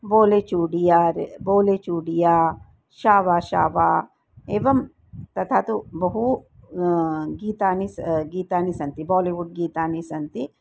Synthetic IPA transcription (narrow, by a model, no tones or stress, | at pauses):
boːlet͡ʃuːɖijaɾeboːlet͡ʃuːɽijaː | ʃaːʋaːʃa̰ːʋaː | eːʋɐm | t̪ɐt̪ʰaːt̪ubɐɦu | ɡiːt̪aːnisɡiːt̪aːnisɐnt̪ibɔːliʋuɖ̚ɡiːt̪aːnisɐnt̪i